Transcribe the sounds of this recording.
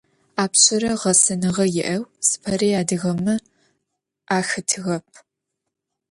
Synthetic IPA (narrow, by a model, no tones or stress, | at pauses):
aːpɕʰʼɪɾɐʁɐsɐnɨʁɐjɪʔɐwsɨ̥pʰɐɾeːaːdɨɣɐmɨ | ʔaːxɨtʰɨɣɐp̚ʰ